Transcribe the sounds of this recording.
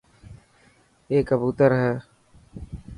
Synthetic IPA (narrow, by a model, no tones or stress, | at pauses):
eːkəbuːt̪əɾɦɛː